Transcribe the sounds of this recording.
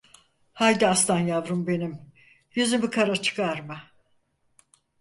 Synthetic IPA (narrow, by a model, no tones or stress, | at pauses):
hajd̪iast̪ʰanjavɾumbe̞nim | jyzymikʰaɾat͡ʃʰɯ̥kʰaɾmɯ